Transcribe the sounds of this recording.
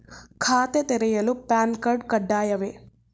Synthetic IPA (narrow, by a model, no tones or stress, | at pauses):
kʰaːt̪et̪ɛɾɛjɐlupaːnkɐɾɖkɐɖːaːjɐʋe